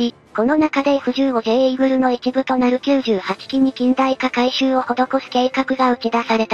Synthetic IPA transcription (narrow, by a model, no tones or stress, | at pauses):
i | ko̞no̞nakad̪e̞ɸɯ̟ʑɨːoɡeiɡɯ̟ɾɯ̟no̞it͡ɕibɯ̟t̪o̞naɾɯ̟kʲɨːʑɨːhat͡ɕi̥kʲiɲ̟ikʲĩnd̪aikakaiɕɨːo̞ho̞d̪o̞ko̞sɨ̥ke̞ːkakɯ̟ɡaɯ̟t͡ɕid̪asaɾe̞t̪a